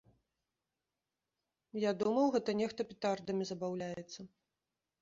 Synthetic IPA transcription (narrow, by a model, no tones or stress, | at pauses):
jad̪umɐwɣɛt̪ɐnʲɛxt̪ɐpʲit̪ard̪ɐmʲizɐbawlʲajɛt̪sːɐ